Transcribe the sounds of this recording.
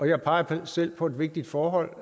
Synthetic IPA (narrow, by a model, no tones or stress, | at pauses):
ɒ̽jɑ̈ɪpʰɑ̈ɪɐsel̰pʰɒ̽e̝d̥ʋe̝ɡ̥̚d̥id̥fɒːɦɒ̽l̰